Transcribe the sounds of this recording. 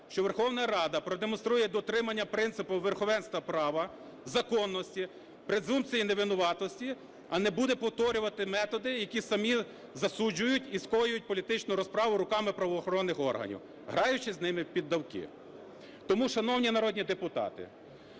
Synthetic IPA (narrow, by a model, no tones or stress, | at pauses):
ʃt͡ʃɔʋerxɔwnɐɾɑd̪ɐpɾɔd̪emɔnst̪ɾujɛd̪ɔt̪ɾɪmɐnʲːɐpɾɪnsɪpʊʋerxɔʋɛnst̪ʋɐpɾɑʋɐ | zɐkɔnːɔsʲtʲi | pɾed̪zumpt͡s̪ʲijineʋɪnʊʋɑt̪ɔsʲtʲi | ɐnɛbud̪ɛpɔwt̪ɔɾʲʊʋɐt̪ɪmɛt̪ɔd̪ɪjɐkʲisɐmʲi | zɐsud͡ʒʊjʊtʲiskɔjʊjʊt̚ʲpɔlʲit̪ɪt͡ʃnʊɾɔspɾɑʋʊɾʊkɑmɪpɾɐʋɔːxɔɾɔnːɪxɔ̰rɦɐ̰nʲḭw | ɦɾɑjʊt͡ʃɪznɪmɪpʲid̪ːɐwkɪ̰ | t̪ɔmuʃɐnɔwnʲinɐɾɔdʲnʲid̪epʊt̪ɑ̰t̪ɪ̰